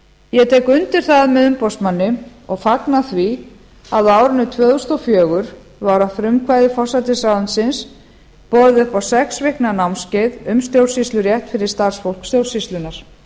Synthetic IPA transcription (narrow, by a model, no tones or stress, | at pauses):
jɛt̪ʰɛːkʏnt̪ɪɾ̥θaðmɛðʏmpɔst̪manːɪ | ɔɣfaknaθvi | aðaːwɾʏnʏt̪ʰvœːðʏst̪ɔfjœːɣʏɾ | vawɾafɾʏmkʰvajðɪfɔsat̪ɪsaðansɪns | pɔɾðɪpawsɛksvɪhknanawmscɪðʏmst̪jowɾsist̪lʏɾjɛht̪fɪɾɪɾ̥st̪aɾ̥sfowl̥kst̪jow̥sist̪lʏnaɾ̥